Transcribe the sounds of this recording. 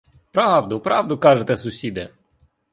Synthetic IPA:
pɾɑwd̪ʊpɾɑwd̪ʊkɑʒet̪ɛsʊsʲid̪e

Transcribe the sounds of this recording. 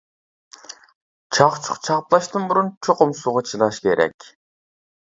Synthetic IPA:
t͡ʃʰɑχt͡ʃʰʊ̥qt͡ʃʰɑχplˠɑʃt̪ɨnbuɾunt͡ʃʰoqʊmsuʁɑt͡ʃʰilˠɑʃkʲeɾʔɛ̰kʲ

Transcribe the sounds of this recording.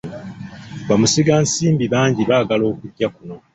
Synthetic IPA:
βamusiɡaːnsiːmbiβaːɲɟiβaːɡalo̞ːkucːakuno̞

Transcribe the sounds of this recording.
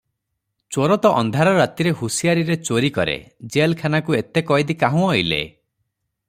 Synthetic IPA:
t͡ʃoɾɔt̪ɔʔɔ̰nd̪ʱaɾɔɾat̪iɾeɦusijaɾiɾet͡ʃoɾikɔɾḛd͡ʒelkʰanakuet̪ekɔjd̪ikaɦũɔjlḛ

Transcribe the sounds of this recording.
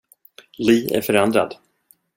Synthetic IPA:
liːæ̰ɾfœɾɛnd̪ɾa̰d̪

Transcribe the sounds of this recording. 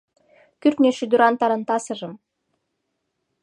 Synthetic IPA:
kyrt̪nʲeʃyd̪yɾɑnt̪ɑɾɤ̆nt̪ɑsɤ̆ʒɤ̆m

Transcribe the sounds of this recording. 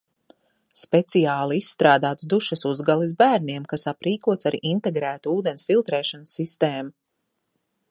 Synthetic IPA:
spɛt̪sijaːlˠiisːt̪ɾaːd̪aːt̪sd̪uʃɐsuzɡalˠizbæːɾniɛmkasapɾiːkuɔt̪saɾiʔint̪eɡɾæːt̪uuːd̪ɛnʲsfilˠt̪ɾɛːʃɔnsːist̪eːmu

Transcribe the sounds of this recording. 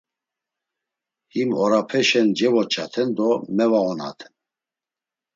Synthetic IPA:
himɔɾapʰɛʃɛnd͡ʒɛvɔt͡ʃʰat̪ʰɛnd̪ɔmɛvaɣɔna̰t̪ʰɛ̥n

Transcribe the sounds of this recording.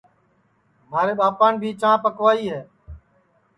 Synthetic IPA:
maːɾeːɓaːpaːɳbʱiːt͡ʃãːpəkʋaːiːɦɛː

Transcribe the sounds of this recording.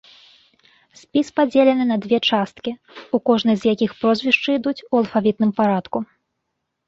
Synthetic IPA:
sʲpʲispad͡zʲelʲɛnɨnɐd̪vʲɛt͡ʂast̪̚kʲi | ukɔʐnɨjzjakʲixpɾɔzʲvʲiʂt͡ʂɨid̪ut͡sʲuɐlˠfavʲit̪̚nɨmpaɾat̪ku

